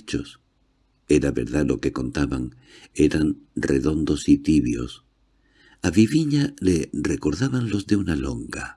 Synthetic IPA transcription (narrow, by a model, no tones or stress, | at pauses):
t͡ʃos | eɾaβe̞̰ɾðalo̞ke̞ko̞nt̪aβaŋ | eɾanreðo̞nd̪o̞sit̪iβjo̞̰s | aβiβiɲalereko̞ɾðaβanlo̞zðe̞unalo̞ŋɡa